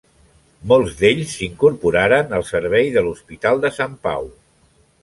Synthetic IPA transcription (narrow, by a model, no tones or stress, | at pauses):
molˠzd̪eʎsːiŋkuɾpuɾaɾənəlˠsəɾβ̞ɛjðəluspit̪alˠd̪əsampa̰w